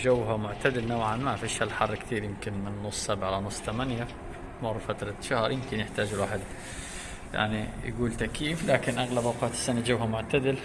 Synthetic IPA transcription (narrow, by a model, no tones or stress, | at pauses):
d͡ʒawːɦamʊʕt̪ad̪ɪlnawʕanmafiʃalħɑrˤːkt̪iːɾjɪmkɪnmɪnːʊsˤsabʕalanʊsˤːt̪amanja | mʊrˤːfat̪ɾˤɑʃahɾˤjɪmkɪnjɪħt̪aːd͡ʒɪlwaːħɪd̪ | ja̰ʕnḭj̰ɡuːlt̪akiːflaːkɪnʔaɣlabʔawqɑːt̪ɪ̥sːanad͡ʒawɦamʊʕt̪ad̪ɪl